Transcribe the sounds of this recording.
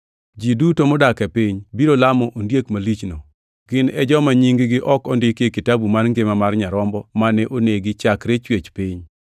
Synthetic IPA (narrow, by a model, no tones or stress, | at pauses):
d͡ʒidutomɔdakɛpiɲbiɾolamɔʔondjekmalit͡ʃno | ɡ̥ɪnɛd͡ʒɔmaɲiŋɡɪɡɪʔɔkɔndɪkekɪtabumanŋɡemamarɲaɾɔmbɔmanɛʔoneɡɪt͡ʃakɾet͡ʃwet͡ʃpiɲ